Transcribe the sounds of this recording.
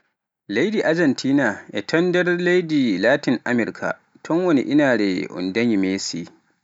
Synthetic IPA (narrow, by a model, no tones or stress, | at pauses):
lajdiːʔad͡ʒɐntʰiːnaːʔa̰tʰɐndɐrlajdiːlaːtɪŋʔa̰mɪrkʰa̰ | tʰɔŋwɐnḭʔɪnaːɽeʔʊ̰ndɐɲimeːsiː